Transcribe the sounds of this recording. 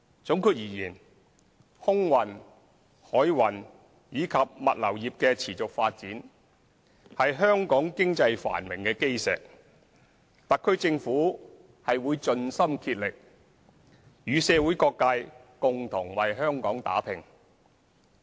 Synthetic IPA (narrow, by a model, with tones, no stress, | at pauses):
t͡sʊ˨˥ŋkʰyː˨˧t̚jiː˨˩jiː˨˩n | hʊ˥ŋwɐ˨˩n | hɔː˨˥jwɐ˨n | jiː˨˧kʰɐ˨p̚mɐ̰˨t̚lɐ˨˩wjiː˨p̚kɛː˧t͡sʰiː˨˩t͡sʊ˨k̚faː˧t̚t͡siː˨˥n | hɐ˨jɦœː˥ŋkɔː˨˥ŋkɪ˥ŋt͡sɐ˧jfa̰ː˨˩nmɪ˨˩ŋkɛː˧ke˥jsɛ̰ː˨k̚ | t̪ɐ˨kʰːɵ˥ɥt͡sɪ˧ŋfuː˨˥ | hɐ˨jwuː˨˧jt͡ʃɵ˧nsɐ˥mkʰiː˧t̚lɪ˨k̚ | jyː˨˧sɛː˧wu˨˥jkɔː˧kːaː˧j | kʊ˨ŋt̪ʰʊ˨˩ŋwɐ˨jɦhœː˥ŋkɔː˨˥ŋt̪a̰ː˨˥pʰɪ˨˩ŋ